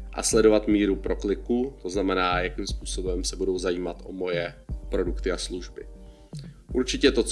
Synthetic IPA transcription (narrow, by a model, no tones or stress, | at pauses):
ʔa̰slɛdo̞vat̪miːɾupɾo̞klɪkuːt̪o̞znamɛnaːjakiːmspuːso̞bɛmsɛbudo̞wzajiːmat̪ʔomo̞jɛpɾo̞dukt̪ɪasluʒbɪ | ʔuɾt͡ʃɪcɛt̪o̞t͡s